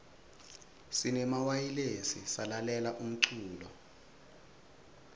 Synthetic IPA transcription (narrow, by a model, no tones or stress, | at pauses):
sinɛmawajilesḭsalalɛlaʔum̩ǀuːlɔ